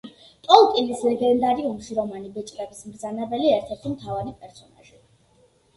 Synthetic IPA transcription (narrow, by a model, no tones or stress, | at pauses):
t̪ʼɔlˠt̪ʼilislɛɡɛnd̪aɾiɔmʃiɾɔmanibɛt͡ʃʼt̪ʼɛbismɾd̪zanɛbɛliɛɾt̪ʰɛɾt̪ʰimt̪ʰavaɾipʼɛɾsɔna̰ʒi